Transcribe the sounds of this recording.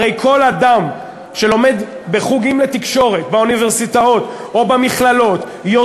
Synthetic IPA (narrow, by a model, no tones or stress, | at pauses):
ejkʰo̞lad̪am | ʃe̞lo̞med̪ | be̞χuɡimlet̪ikʃo̞ʁe̞t̪bauniveʁsit̪ao̞t̪ | o̞bamiχlalo̞t̪ | jo